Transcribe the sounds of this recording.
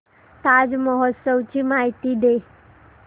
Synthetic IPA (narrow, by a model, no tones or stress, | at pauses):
t̪ad͡ʒməɦɔt̪səʋt͡ɕimaɦit̪id̪e